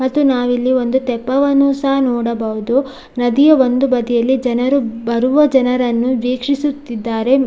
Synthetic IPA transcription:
mɐt̪ːunaːʋilːiʋo̞nd̪ut̪ɛpːɐʋɐnusɐɦɐnɔːɽɐbɐʋud̪u | nɐd̪ijɐʋond̪ubɐd̪ijɐlːid͡ʒɐnɐɾubɐɾuʋɐd͡ʒɐnɐɾɐnːuʋeːkʂisut̪ːid̪ːaːɾe̞

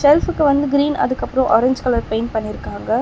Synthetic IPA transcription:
sɛlfɯkːɯʋɐnd̪ɯɡɪɾiːnɐ̰ðɯkːɐpːɯɾõʔɔɾɛɲd͡ʒkɐlɐɾpeɪnpɐɳːɪɾɯkːaːŋɡɐ

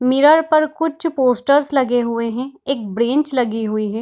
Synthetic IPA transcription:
mɪɾəɾpəɾkʊt͡ʃʰpoːsʈəɾslɐɡeɦʊeɦɛ̃eːk̚bɾẽːɲt͡ʃlɐɡiɦʊiɦɛ̃ː

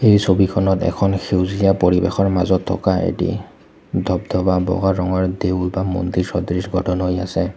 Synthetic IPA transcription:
ejsobikʰɔnɔtɛ̰kʰɔnxewzijapoɹibexɔɹmazɔtʰːɔ̰kaḛtḭ | dʱɔbd̪ʱɔbabɔ̰ɡaɹɔŋɔɹdewlbamo̰ndiɹsɔdɹisɡʱɔtʰɔnɦojasɛ

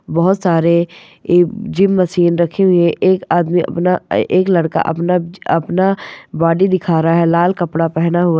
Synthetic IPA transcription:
bɐɦʊt̪saːɾe | d͡ʒɪmːɐʃiːnɾɐkʰeɦʊiẽʔeːkaːd̪miɐ̰pnaeːklɐɽka̰ʔɐ̰pnaɐpnabaːɖid̪ɪkʰaːɾaɦɛlaːlkɐpɽapɛɦnaɦʊa

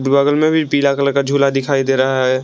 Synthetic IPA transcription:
bbaːɡəlmẽbʱipiːlakələkad͡ʒʱuːlad̪ɪkʰaːid̪eːɾaɦaɦɛ

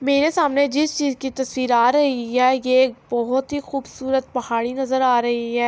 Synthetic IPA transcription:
meːɾesaːmned͡ʒɪst͡ʃiːzkit̪ɐswiːɾaːɾɐɦiɦɛːjeːk̚bɔɦʊt̪ɦixuːbsuːɾət̪̚pɐɦaːɽinɐzəɾaːɾɐɦiɦɛː

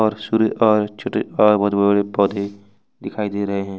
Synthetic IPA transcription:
ɔːɾsuɾeʔɔːɾt͡ʃʰoːʈḛɔːɾbɔːt̪bəəɽepɔːd̪ʱe | d̪ɪkʰaːid̪eɾɐɦeɦɛ̃ː

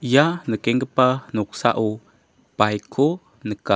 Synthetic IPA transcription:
janəkeŋɡəpanuksa̰ʔu | pajkʰu | nəka

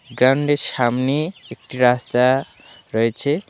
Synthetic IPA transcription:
ɡɾawɳɖeɾʃamneek̚ʈiɾast̪a | ɾɔet͡ɕʰe

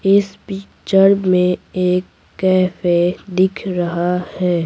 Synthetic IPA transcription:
ɪspiːkt͡ʃəɾbmẽeːkː | ɛːfed̪ɪkʰɾɐɦahɛː

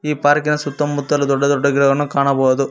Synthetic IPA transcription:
iːpaːɾkɪnɐsʊt̪ːɐmːʊt̪ːɐlɐd̪ɔɖːɐd̪ɔɖːɐɡɪɾɐʋɐnːɯkaːɳɐpoːðɯ

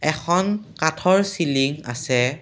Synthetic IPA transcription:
ɛxʰɔnkatʰɔɹsiliŋa̰sɛ

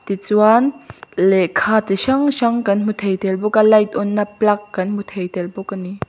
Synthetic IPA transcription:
t̪it͡swanlɛkʰaːt͡siʃɐŋʃɐŋkɐnm̥ut̪ʰejt̪ɛlbʊkalɐjt̪̚ʔɔnːaplɐkːɐnm̥ut̪ʰejt̪ɛlbʊkːani

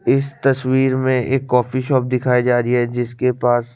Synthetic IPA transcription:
ɪst̪ɐswiːɾmẽʔeːkːɔːfiʃɔːp̚d̪ɪkʰaːid͡ʒaːɾiɦɛd͡ʒɪskepaːs

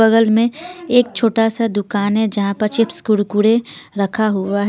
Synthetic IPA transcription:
əɣəlmẽeːk̚t͡ʃʰoːʈasad̪ʊkaːnɦɛd͡ʒɐɦãpɐɾt͡ʃɪpskʊɽkuɽẽɾəkʰaɦʊaɦ

